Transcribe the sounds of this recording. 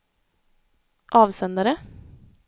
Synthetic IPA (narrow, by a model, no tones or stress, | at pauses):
ʔɑːʋsɛnd̪əɾə